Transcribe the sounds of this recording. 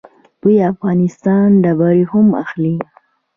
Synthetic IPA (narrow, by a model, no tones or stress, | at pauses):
b̪̥ujafɣɑnɪst̪ɑnɖabɑɾihʊma̰xli